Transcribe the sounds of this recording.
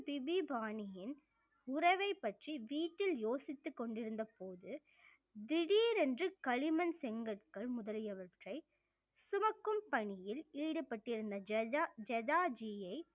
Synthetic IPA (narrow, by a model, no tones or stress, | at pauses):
pɪʋibaːnɪjɪn | ʊrɐʋɐɪpːɐʈriʋiːʈːɪljoːsɪt̪ːɯkːɔɳɖɪɾɯnd̪ɐpoːðɯ | d̪ɪɽiːɾɛndrɯkɐɭɪmɐnsɛŋɡɐʈkɐɭmʊðɐlɪjɐʋɐʈrɐɪ | sʊmɐkːɯmpɐɳɪjɪliːɽɯpːɐʈːɪɾɯnd̪ɐd͡ʒɛðaːd͡ʒijɐɪ